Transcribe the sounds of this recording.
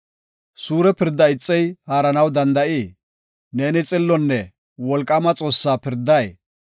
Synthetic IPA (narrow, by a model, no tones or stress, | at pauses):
suːɾɛpɪɾd̪ːɐɪt͡sʼːɛjhaːɾɐnɐwd̪ɐnd̪ɐʔiː | neːnɪt͡sʼɪlːɔnːɛ | wɔlkʼːɐmɐt͡sʼo̞ːsːaːpɪɾd̪ɐj